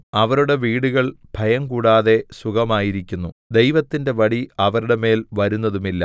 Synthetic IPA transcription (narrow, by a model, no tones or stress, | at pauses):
ɐʋɐɾuɽe̞ʋiːɽuɣɐɭb̥ʱɐjɐmkuːɽaːðe̞suɣɐmaːjiɾikʲːunːud̪e̞jʋɐt̪ːinde̞ʋɐɽiɐʋɐɾuɽe̞me̞ːlʋɐɾunːɐðumilːɐ̰